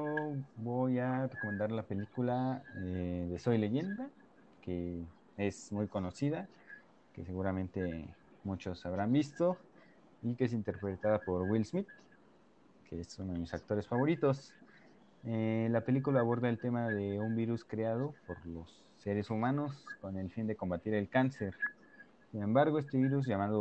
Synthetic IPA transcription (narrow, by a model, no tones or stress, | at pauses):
oβoʝareko̞mend̪aɾlape̞likulaeðe̞sojle̞ʝe̞nd̪a | ke | e̞smujko̞no̞siða | ke̞se̞ɣuɾamẽ̞nt̪e̞ | mut͡ʃo̞saβ̞ɾambist̪o̞ | ikees̬int̪e̞ɾpɾe̞t̪aðapo̞ɾwilzmit̪̚ | kʰeesunoðemisak̚t̪o̞ɾe̞sfaβo̞ɾit̪o̞s | elape̞likulaːβo̞ɾðaelt̪e̞maðe̞umbiɾuskɾeað̞o̞po̞ɾlo̞sːeɾesumãno̞sko̞ne̞lfind̪e̞ko̞mbat̪iɾe̞lkanse̞ɾ | sinẽ̞mbaɾɣo̞e̞s̬t̪eβiɾuzʝamaðo